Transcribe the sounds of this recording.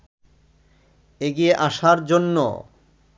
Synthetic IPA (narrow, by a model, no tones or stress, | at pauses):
eɡieʔaʃaɾd͡ʑonːo̰